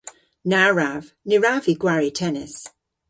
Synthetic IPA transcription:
naɹav̥ | nɪɹaviɡwaɹitʰɛnɪs

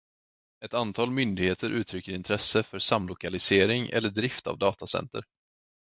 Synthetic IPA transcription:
ɛt̪ant̪ʰɑːlmʏnd̪ɪɡheːt̪ʰəɾʔʉ̟ːt̪ʰɾʏkːəɾɪnt̪ʰɾɛsːəfœsamlʊkalɪseːɾɪŋʔɛ̰lːəɖɾɪft̪a̰vd̪ɑːt̪asɛ̰nt̪ə̰ɾ

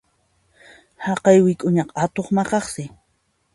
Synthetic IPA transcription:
hɑqɑjwɪkʼʊɲɑqat̪oχmɑqɑχsɪ

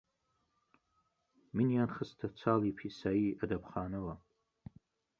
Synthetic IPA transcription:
minjanχəstʰat͡sʷʰalipʰisaiadapʰχaːnɨla

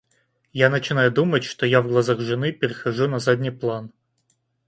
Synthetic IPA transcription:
janət͡ɕɪnajʊd̪umətʲʂt̪ojavɡlˠɐzaɣʐɨnɨpʲɪɾʲɪxɐʐunɐzad̪ʲnʲijplˠan

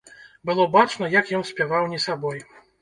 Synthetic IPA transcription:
bɨlˠɔbat͡ʂnɐjakjɔnsʲpʲjavawnʲisabɔj

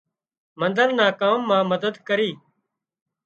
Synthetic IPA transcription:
mənd̪əɾnaːkaːmːãːməd̪əd̪kəɾiː

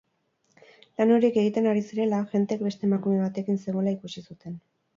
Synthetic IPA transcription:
lano̞ɾike̞ɣ̞it̪e̞naɾisiɾe̞laʝe̞nt̪eːk̚be̞st̪e̞ːmakume̞β̞at̪e̞kinseɣ̞o̞laikusisut̪e̞n

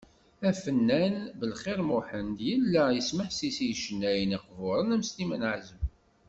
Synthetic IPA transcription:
æfənːænbəlχɪɾmʊħənd̪jəlːæjəsməħsisijʃənːæjniqvʊɾˤənæmst̪imənʕzəm

